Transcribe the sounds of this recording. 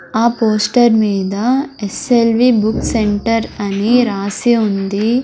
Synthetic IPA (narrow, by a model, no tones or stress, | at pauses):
aːpoːsʈɐɾmiːd̪ɐeselʋibukseɳʈɐɾɐniɾaːsiund̪i